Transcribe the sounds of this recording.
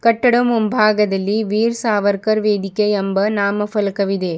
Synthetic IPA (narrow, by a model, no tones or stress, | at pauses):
kɐʈːɐɽɐmʊmbʱaːɡɐðɐlːiʋiːɾsaːʋɐɾkɐɾʋeːd̪ɪkːɐɐmbɐnaːmɐfɐlɐkɐʋiðeː